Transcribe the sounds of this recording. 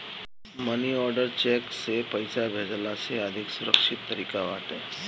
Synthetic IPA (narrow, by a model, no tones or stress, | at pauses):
məniɔːɾɖəɾt͡ʃeksepəjsabʱeːd͡ʒlaseəd̪ʱɪksʊɾəkʃɪt̪ːəɾiːkaʋaːʈe